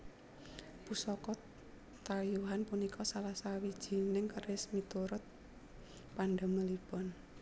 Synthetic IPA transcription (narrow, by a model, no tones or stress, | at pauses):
pusɔkɔt̪ | t̪ajuɦanpunikʰɔsalasawid̥ʒ̥i̤nɪŋkərɪsmit̪uɾʊt̪̚ | panɖaməlib̥ɔn